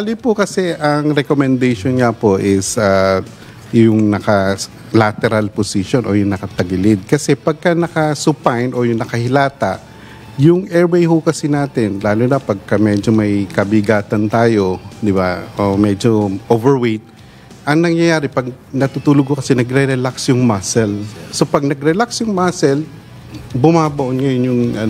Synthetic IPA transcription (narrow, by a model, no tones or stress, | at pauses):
alɪpʊkɐsɛʔɐŋɾɛkomɛnd̪ɛjʃonɲɐpo̞ʔɪsa | jʊŋnɐkɐ | lat̪ɛɾalposiʃo̞nʔo̞jʊŋnɐkɐt̪ɐɡɪlɪd̪̚kɐsɛpɐɡ̚kɐnɐkɐsʊpajnʔo̞jʊŋnɐkɐhɪlaːt̪ɐʔ | jʊŋɛɹwejɦʊkɐsinaːt̪ɪnlaːluːnɐpɐɡ̚kɐmɛd͡ʒo̞mɐjkɐbɪɡaːt̪ɐnt̪aːjo̞d̪ɪbaomɛd͡ʒo̞ʔovɛɹwejt̪̚ | ʔɐŋnɐŋjɐjaːɾɛpɐɡ̚ | nɐt̪ut̪uːlʊɡ̚hokɐsɛnɐɡɾɛɾɛlaksjʊŋmasɛlsopɐɡ̚nɐɡɾɛlaksjʊŋmasɛl | bʊmaːbɐʔonŋɐjonjʊŋɐ